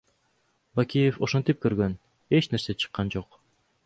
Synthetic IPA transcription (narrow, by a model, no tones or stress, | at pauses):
bakʲijefoʃont̪ip̚kɵɾɡøn | et͡ʃne̞ɾset͡ʃʰɯ̥qːɑnd͡ʒoq